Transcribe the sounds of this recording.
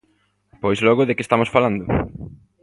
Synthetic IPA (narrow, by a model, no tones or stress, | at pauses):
pojzlɔɣʊðekest̪amosfaland̪ʊ